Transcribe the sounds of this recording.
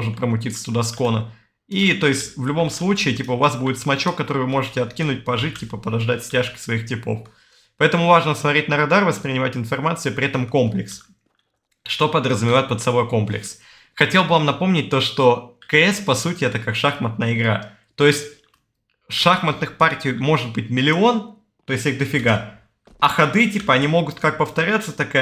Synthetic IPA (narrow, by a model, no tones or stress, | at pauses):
oʐɨt̪̚pɾəmʊtʲit̪sə̥t̪ʊd̪asko̞nə̰ | it̪o̞ɪsʲtʲvlʲʊbo̞mslˠut͡ɕɪːtʲipəʊvasbudʲɪt̪smɐt͡ɕo̞kːɐt̪o̞ɾɨjvɨmo̞ʐɨtʲɪɐt̪kʲinʊt̚ʲpɐʐɨt̚ʲtʲːipəpəd̪ɐʐd̪atʲsʲtʲaʂkʲɪ̥svɐixtʲɪpo̞̰f | pɐɛt̪əmʊvaʐnəsmɐt̪ɾʲet̚ʲnəɾɐd̪arvəspɾʲɪnʲɪmatʲɪnfɐrmat̪sɨʊpɾʲɪɛt̪əmko̞mplʲɪ̰ks | ʂt̪o̞pəd̪ɾəzʊmʲɪvaɪt̪̚pət̪sɐbo̞jko̞mplʲɪ̰ks | xɐtʲelˠbɨvamnɐpo̞mnʲɪt̚ʲt̪o̞ʂt̪o̞kəɛspɐsutʲɪɛt̪əkakʂaxmət̪nəjəɪɡɾa̰ | t̪o̞ɪsʲtʲ | ʂaxmət̪nɨxpartʲɪjmo̞ʐɨt̪̚bɨt̚ʲmʲɪlʲɪo̞n | t̪o̞ɪsʲt̪ʲixd̪əfʲɪɡa | ɐxɐd̪ɨtʲipəɐnʲimo̞ɡʊt̪kak̚pəft̪ɐɾʲat̪sːət̪ɐka